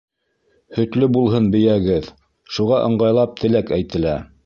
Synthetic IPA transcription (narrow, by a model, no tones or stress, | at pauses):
hɵ̆t̪lɵbulˠɦɤnbɘ̆jæɡɘð | ʃuʁɑʔɤ̆ɴɢɑjlˠɑp̚t̪ʰɘ̆lækæjt̪ɘ̆læ